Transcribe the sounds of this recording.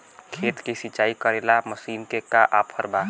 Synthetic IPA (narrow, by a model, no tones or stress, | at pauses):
kʰeːt̪kisit͡ʃaːikəɾelaməsiːnkekaʔapʰəɾba